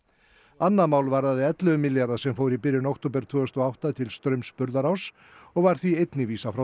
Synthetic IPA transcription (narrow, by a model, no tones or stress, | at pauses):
anːamaːwlvaɾðaðɪɛt̪lœvʏmɪljaɾðasɛmfoːwɾipɪɾjʏnokt̪ʰowpɛɾ̥t̪ʰvœːʏst̪ɔawht̪at̪ʰɪlst̪ɾœɥmspʏɾðaɾaws | ɔɣvaɾ̥θviejt̪nɪviːsafɾa